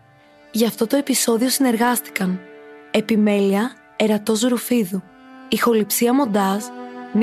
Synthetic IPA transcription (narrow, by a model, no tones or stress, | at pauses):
ʝɐft̪o̞t̪o̞e̞piso̞ðio̞sine̞ɾɣɐst̪i̥kɐne̞pime̞liɐ | e̞ɾɐt̪o̞zɾufiðu | ixo̞lipsiɐmo̞nd̪ɐsm